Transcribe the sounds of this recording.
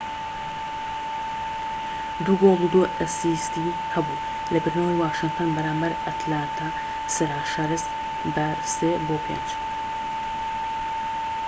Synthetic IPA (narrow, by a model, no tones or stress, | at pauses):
d̪uɡoːlˠud̪oʔəsist̪i | hɐbu | lɐbɨɾnowjwaːʃɨŋt̪ʰoːnbɐɾaːmbɐɾɐt̪ʰlaːnt̪ʰa | sɨɾaːʃaɾɨs | bɐ | seːboːpʰḛːnd͡ʒ